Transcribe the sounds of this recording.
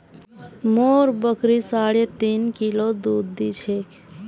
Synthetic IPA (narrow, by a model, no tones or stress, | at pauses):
moːɾbəkɾisaːɽet̪iːnkilod̪uːd̪ːit͡ʃʰe